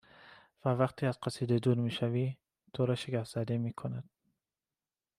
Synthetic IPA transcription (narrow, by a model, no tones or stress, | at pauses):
vævæqt̪ʰiːæzqæsiːd̪ed̪uːɾmiːʃævi | t̪ʰoɾɒːʃeɡæfz̥æd̪emiːkʰonæd̪̥̚